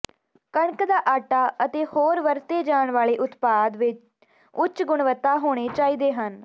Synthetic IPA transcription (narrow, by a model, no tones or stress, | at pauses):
kəɳkd̪aːʔaːʈaːət̪eːhoːɾʋəɾt̪eːd͡ʒaːɳʋaːɭeːʔʊt̪paːd̪ʋɪt͡ʃ | ʊt͡ʃɡʊɳʋət̪ːaːɦoːɽ̃eːt͡ʃaːiːd̪eːɦən